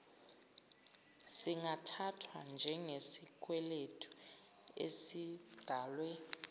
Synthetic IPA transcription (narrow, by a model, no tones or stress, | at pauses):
siŋʱatʰatʰwand͡ʒʱɛŋesik̬ʼwɛletʰu̥ | ḛsi | d̥ʱaːlwɛ